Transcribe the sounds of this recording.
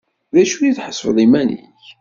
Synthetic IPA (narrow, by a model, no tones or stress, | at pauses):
ðæʃujiðħə̥sfəðˤimænḭç